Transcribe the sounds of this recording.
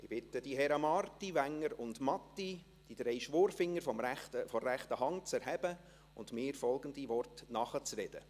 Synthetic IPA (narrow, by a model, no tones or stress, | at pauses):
ɪb̥ɪtəd̥iɦɛɾɑmɑrtiʋæŋːəɾʊndmɑtːi | d̥id̥̪ɾɛɪʃʋoːɾfɪŋːəɾfɔmɛtəfɔːæχt̪əɦɑŋt͡sɛɾɦɛbə | ʊndmɪːɾfɔlˠɡəndiʋɔrtnɑχət͡sɾɛd̥ə̰